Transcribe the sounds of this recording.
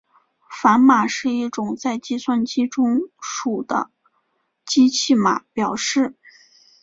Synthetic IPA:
fa˧˥nma˨˩ʂɻ̩˥˧i˥˩ʈ͡ʂʊ˨˩ŋt͡sa˥˧ɪt͡ɕi˥˧swa˥˧nt͡ɕi˥ʈ͡ʂʊ˥ŋʂu˨˩d̪ə̰˦ | t͡ɕi˥t͡ɕʰi˥˩ma̰˨˩˦pjɑ˨˩ʊʂɻ̩˥˩

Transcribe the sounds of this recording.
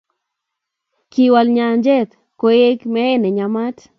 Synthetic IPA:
ki˨walɲa˨nd͡ʒɛ˦t̪ | ko˦e˦kmɛ˦e˦ne˨ɲa˨ma˦t

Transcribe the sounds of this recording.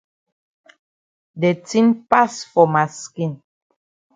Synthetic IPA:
de˨tĩ˦npa˦sfɔ˨ma˨skĩ˦˨n

